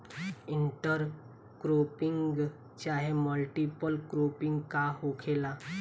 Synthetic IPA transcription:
iɳʈəɾ | kɾopiŋɡɡ | t͡ɕaɦeməlʈipəlkɾopiŋɡkahokʰela

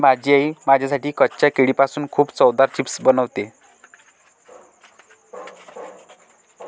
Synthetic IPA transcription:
mad͡ʑiaimad͡ʑʱasaʈiːkətːɕjakeɽipasuːnkʰuːbt͡sɔwd̪aɾt͡ɕipsbənəʋt̪e

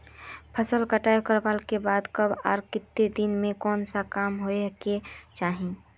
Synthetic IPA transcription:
pʰəsəlkəʈajokəɾbalkebad̪kəbaːɾkɪt̪ːed̪inmẽkɔːnsakamɦoeket͡ʃaːɦĩ

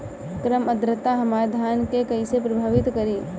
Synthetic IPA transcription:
kɾəməd̪ɾət̪aɦəmaːɾd̪ʱaːnkekəisepɾəbʱaːʋɪt̪kəɾi

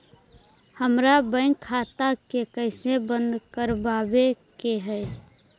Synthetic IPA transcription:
həmɾabə̃ɪ̃ŋkʰːaːt̪akekəɪsebənd̪kəɾbabekeɦɛ

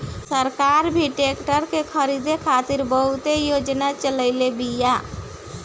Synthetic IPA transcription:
səɾkaɾbʱiʈekʈəɾkekʰəɾid̪ekʰat̪iɾbəɦut̪ejod͡ʒnat͡ʃələɪlebija

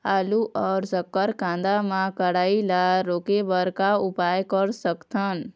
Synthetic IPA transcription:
aːluʔɔːɾsəkːəɾkãnd̪amãkəɽaːilaɾoːkebəɾkaupaːjkəɾsəkt̪ʰən

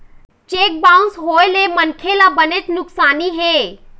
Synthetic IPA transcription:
t͡ʃeːk̚bãːʊ̃nsɦoːelemənkʰelabənet̪nʊksaːniɦeː

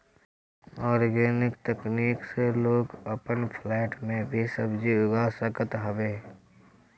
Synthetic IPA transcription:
ɔːɾɡeːnɪkt̪əkniːkseloːɡəpənpʰlɛːʈmẽbʱisəbd͡ʒiʊɡasəkət̪ɦəbeː

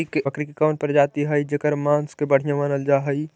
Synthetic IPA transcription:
əkɾikikaːnpəɾd͡ʒaːt̪iɦəid͡ʒekəɾmãːnskebəɽ̤ijãmənəld͡ʒaːɦəi

